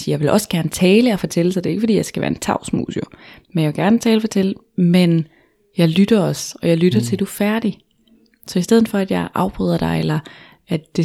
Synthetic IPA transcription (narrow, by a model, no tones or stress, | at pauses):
sijɑɪʋe̝lʔɒ̽sɡ̥æɐnət͡sʰɛːləɒ̽fɒ̽t͡sʰel̰əsɑd̥e̝e̝ɡ̥fɒd̥ḭːjɑ̈ɪsɡ̥æʋæ̰ːɐe̝nt͡sʰɑ̈ʊsmṵːsomenjɑʋeɡ̥æɐnt͡sʰɛːləfɒt͡sʰel̰ə | men | jɑ̈ɪlyd̥ɐɒ̽sɒ̽jɑ̈ɪlyɾ̥ɐt͡sʰe̝ld̥ufæɐd̥i | sɒ̽isd̥eð̞̰̩ˠfɒ̽æd̥jɑ̈ɪʔɑ̈ʊb̥ʁœːð̞ˠɐd̥ɑ̈ɪelɐ | æd̥d̥e̝